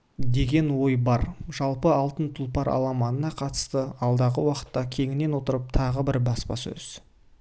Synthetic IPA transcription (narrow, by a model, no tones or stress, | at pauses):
d̪e̞ɡʲe̞nwo̞jbɑɾʒ̥ɑlˠpəɑlˠt̪ənt̪ʰʊlˠpɑɾɑ̰lˠɑmɑnənɑqʰɑt̪ə̥st̪əɑlˠd̪ɑʁəwɑqə̥t̪ːɑkʲʰe̞ŋɪnːe̞nwo̞t̪əɾəp̚t̪ʰɑʁəbɪɾbɑspɑ̰sɵ̰z̥